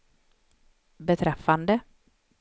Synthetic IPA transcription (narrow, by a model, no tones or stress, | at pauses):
bɛt̪ʰɾɛfːand̪ə